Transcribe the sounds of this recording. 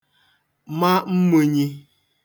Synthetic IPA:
ma˦m̩˦mu˦ɲi˦

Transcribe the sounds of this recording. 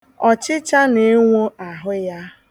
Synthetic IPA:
ɔ˨t͡ʃɪ˦t͡ʃa˦ne˦ŋʷo˦a˨ɦʊ˦ja˦

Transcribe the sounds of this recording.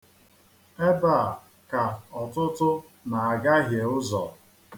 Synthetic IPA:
e˦ba˦˨ | ka˨ɔ˨tʊ˦tʊ˦ | na˨a˨ɡa˦ɦje˨ʊ˦zɔ̰˨

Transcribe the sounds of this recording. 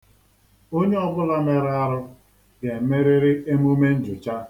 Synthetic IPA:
o˦ɲe˦ɔ˦ɡʊ˦la˦me˨ɾa˦ɾʊ˦ | ɡe˨˦me˦ɾɪ˦ɾɪ˦ʔe˦m˦u˦me˦n̩˦d͡ʒʊ˨t͡ʃa˦

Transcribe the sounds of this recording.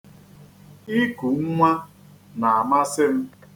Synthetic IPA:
ɪ˦ku˨ŋ̩˦ŋʷa˦ | na˨a˨ma˦sɪ˦m̩˦

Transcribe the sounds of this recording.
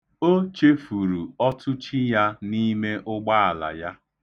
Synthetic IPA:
o˦t͡ʃe˦fu˨ɾu˨ɔ˦tʰʊ˦t͡ʃi˦ja˦ni˦me˦ʔʊ˦ɡ͡ba˦a˨la̰˨ja˦

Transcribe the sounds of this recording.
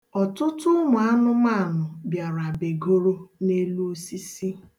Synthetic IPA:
ɔ˨tʊ˦tʊ˦ŋʷʊ˨a˦nʊ˦ma˦˨nʊ˨bja˨ɾa˨be˨ɡo˦ɾo˦ne˦lu˦o˦si˦si˦

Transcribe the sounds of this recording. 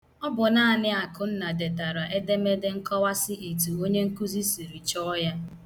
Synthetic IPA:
ɔ˦bʊ˨na˦˨nɪ˦a˨kʊ˨n̩˦na˨de˨ta˨ɾa˨ʔe˦de˦me˦dɪ˦ŋ̩˦kɔ˦wa˦sɪ˦ʔe˨tu˨o˦ɲe˦ŋ̩˦ku˦zi˦si˨ɾi˨t͡ʃɔ˦ja˦

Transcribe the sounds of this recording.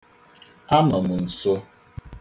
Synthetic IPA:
a˦mə˨mu˨n̩˨so˦

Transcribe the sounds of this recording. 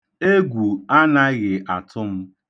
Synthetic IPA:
e˦ɡʷu˨a˦na˦ɣɪ˨ʔa˨tʰʊ˦m̩˦

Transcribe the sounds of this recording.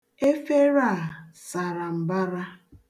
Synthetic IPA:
e˦fe˦ɾa˦˨sa˨ɾa˨m̩˨ba˦ɾa˦

